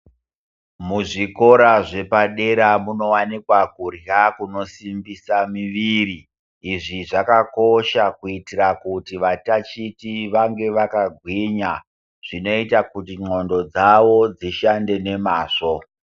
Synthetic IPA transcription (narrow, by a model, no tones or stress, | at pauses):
muʐiko̞ɾaʐe̞paɗe̞ɾamuno̞wanikwakurjakuno̞simbisamiʋiriː | ʐiʐakako̞ʃakuitirakutiʋatat͡ʃitiʋaŋɡe̞ʋakaɡʱwiɲa | ʐ̥ino̞itakutiŋ͡ǃo̞ndo̞d͡zaʋo̞d͡ziʃande̞ne̞maːʂo̞